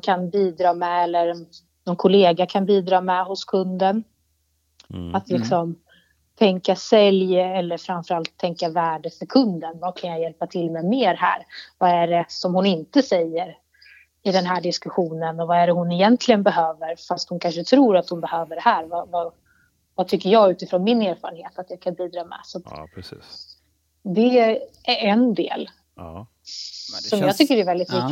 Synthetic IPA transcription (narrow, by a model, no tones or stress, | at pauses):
kʰanbiːd̪ɾɑːmɛɛlːəɾ | nɔnkʰʊleːɡakʰanbiːd̪ɾɑːmɛɦʊskʰɵnd̪ən | at̪lɪksɔm | t̪ʰɛŋkasɛljɛlːəɾfɾamfœɾalt̪ʰːɛŋkavæːɖəfœɾkʰɵnd̪ənvakʰanjajɛlpat̪ʰɪlmɛmeːɾɦæ̰ːɾvaæɖɛsɔmhʊnɪnt̪əsɛjːəɾ | ɪd̪ɛnɦæːɖɪskɵɧuːnənɔvaæɾɛɦʊnɛjɛnt̪ʰlɪɡənbɛɦøːvəɾfast̪hʊnkʰanʂət̪ʰɾuːɾat̪hʊnbɛhøːvəɖɛhæːɾvava | vat̪ʰʏkːəɾjɑːɡʉ̟ːt̪ɪfɾoːnmɪneːɾfɑ̰ːɾənheːt̪at̪jakʰanbiːd̪ɾɑːmɛ̰sat̪ː | d̪ɛʔɛnd̪ḛːl | sɔmjjɑːɡt̪ʰʏkːəɾɛɾvɛld̪ɪt̪mʏkː